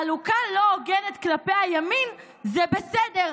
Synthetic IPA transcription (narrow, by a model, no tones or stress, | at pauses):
alukalo̞oɡenet̪klapejajamin | zebesedeʁ